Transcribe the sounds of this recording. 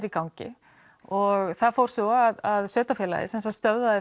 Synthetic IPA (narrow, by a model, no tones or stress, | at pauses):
ɾikawɲcɪ̰ | ɔɣθaðfowɾ̥sɔaðaðsœːt̪afjɛːla̰ðɪ̰sɛnsast̪œwðaðɪ